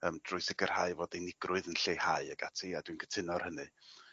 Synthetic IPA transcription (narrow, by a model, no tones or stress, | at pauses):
əːmd̥rʊɨsɪɡər̥haɨvoːdɛjnɪɡrʔʊɨðənɬejhaɨəɡatʰiadwinɡʰə̥tʰɪnɔrhənɨ